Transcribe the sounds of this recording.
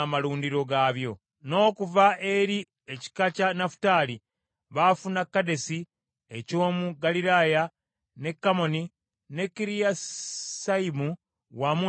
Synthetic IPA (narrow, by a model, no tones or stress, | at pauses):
amaluːndiɾo̞ɡaβjo̞ | no̞ːkuvae̞ɾi | eci̥kacanafu̥tali | βafunakːade̞si | e̞co̞ːmuɡaliɾaːja | ne̞kːamo̞ni | ne̞kːiɾijasaimu | wamu